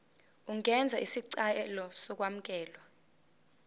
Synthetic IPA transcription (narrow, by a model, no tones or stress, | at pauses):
uŋɛnd͡zʱa̰ʔisiǀalɔsɔk̬wam̩k̬ʼɛːlwa